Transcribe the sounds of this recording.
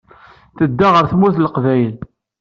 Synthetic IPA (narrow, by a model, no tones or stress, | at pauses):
θəd̪ːaʁəɾθmuθləqvæjl